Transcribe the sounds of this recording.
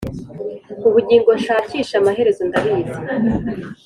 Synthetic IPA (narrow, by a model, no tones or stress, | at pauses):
uβuɟiːŋɡo̞ʃaːciːʃamaɦe̞ɾe̞zo̞ndaɾiːze